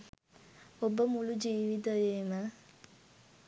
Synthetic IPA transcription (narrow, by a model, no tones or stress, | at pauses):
obəmulud͡ʒiːʋit̪̬əʋeːmə